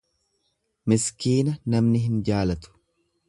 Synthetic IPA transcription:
mɪskiːnɐnɐmnɪɦɪnd͡ʒaːlɐt̪ʊ̥

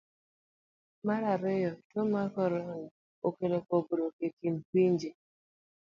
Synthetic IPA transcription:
maɾaɾɪjɔtomakɔɾɔnʊ | okelekoboɾokekim̩kʷind͡ʒe

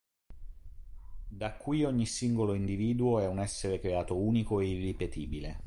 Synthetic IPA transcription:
d̪akːwuioɲːisiŋɡoloind̪iviːd̪uoɛunɛsːeɾekɾeaːt̪ouːnikoeirːipet̪iːbile

